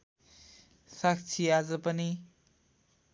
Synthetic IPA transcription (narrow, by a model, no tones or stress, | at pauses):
sak̚t͡sʰiazʌpʌni